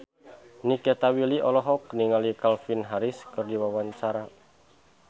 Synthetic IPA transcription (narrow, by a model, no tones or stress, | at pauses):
nikɛt̪awiliʔɔlɔɦɔk̚niŋalikalfinɦaɾiskɨrdiwawaɲt͡ʃaɾa